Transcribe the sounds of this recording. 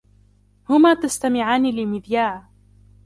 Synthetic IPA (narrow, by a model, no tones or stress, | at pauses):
hʊmaːt̪ast̪amɪʕaːnilɪmɪd̪jaːʕ